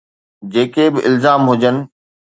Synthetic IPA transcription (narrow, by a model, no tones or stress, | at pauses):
d͡ʑeːkebɪʔɪlzaːmɦʊd͡ʑənɪ̆